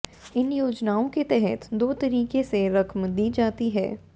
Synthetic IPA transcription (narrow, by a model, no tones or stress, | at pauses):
ɪnjoːd͡ʒnaːõket̪ɛɦɛt̪d̪oːt̪ɐɾiːkeseɾɐkʰmd̪iːd͡ʒaːt̪iɦɛ̰ː